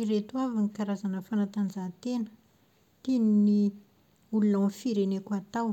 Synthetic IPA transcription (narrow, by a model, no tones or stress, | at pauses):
iɾet̪uavanikaɾazanəfanat̪and͡ʒat̪enə̥ | t̪inini | ulunanfiɾenekat̪aw